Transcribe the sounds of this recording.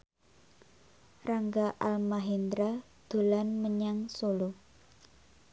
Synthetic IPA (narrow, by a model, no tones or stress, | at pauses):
raŋɡaʔalmaɦend̪ɾa | d̪̥o̤lanməɲaŋsolu